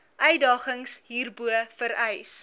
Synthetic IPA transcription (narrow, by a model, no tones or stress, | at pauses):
ʔœɥdɑːχəŋsɦiːrbuəfəɾœjs